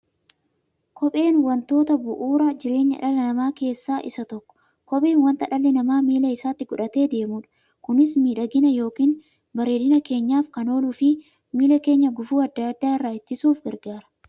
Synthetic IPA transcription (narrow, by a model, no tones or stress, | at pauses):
kʰɔpʼe̞ːnwɐnt̪o̞ːt̪ɐbʊʔuːɾɐd͡ʒɪɾe̞ːɲːɐ̰ᶑɐlːɐnɐmaːke̞ːsːaːʔɪ̰sɐt̪ɔkːɔ̥ | kɔpʼeːnwɐnt̪ɐᶑɐlːɛnɐmaːmiːlɐɪsaːt̪ːɪɡʊᶑɐt̪e̞ːd̪e̞ːmuːᶑɐ̥ | kʊnɪsmiːᶑɐɡɪnɐjo̞ːkiːn | bɐɾeːdɪnɐke̞ːɲːaːfkɐno̞ːlufɪ | miːlɐke̞ːɲːɐɡʊfuːɐd̪ːaːd̪ːaːɪrːaːɪt̪ːɪsuːfɡɐɾɡaːɾɐ̥